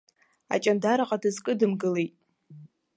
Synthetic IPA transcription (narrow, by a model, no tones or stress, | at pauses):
a̰t͡ʃʼandaɾaqʼadɨzkʼɨdɨmɡɨlejtʼ